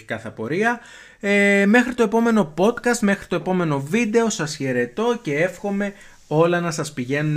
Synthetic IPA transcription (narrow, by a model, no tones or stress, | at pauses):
ikɐθɐpo̞ɾiɐ | eme̞xɾit̪o̞e̞po̞me̞no̞po̞t̪kɐst̪me̞xɾi̥t̪o̞e̞po̞me̞no̞vid̪e̞o̞sɐsçe̞ɾe̞t̪o̞ce̞e̞fxo̞me̞ | o̞lɐnɐsɐspiʝe̞nun